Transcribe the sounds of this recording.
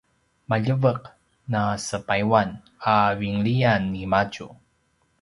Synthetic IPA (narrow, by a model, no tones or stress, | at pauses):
maʎəvəq̚ | nasəpajwan | aviŋɭijanːimat͡ʃu